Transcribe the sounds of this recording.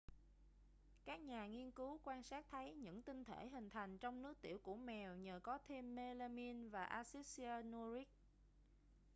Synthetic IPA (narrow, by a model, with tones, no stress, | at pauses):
kaː˦˥k̚ɲaː˨˩ŋi˧ənkɨ˨˦wkwaː˧nsaː˦˥t̚t̪ʰə˨˦jɲɨ̰˧˥ŋt̪ï˧ŋ̟t̪ʰe˧˩ɦï˨˩ŋ̟t̪ʰa˨˩jŋ̟t͡ɕɔ˧wŋ͡mnɨ˦˥ək̚t̪ḭ˧˩əwku˧˩əmɛ˨˩wɲəː˨˩kɔ˨˦t̪ʰe˧mːe˧la˧mi˧nvaː˨˩ʔaː˧si˦˥si˧aː˧nu˧ɾi˦˥k̚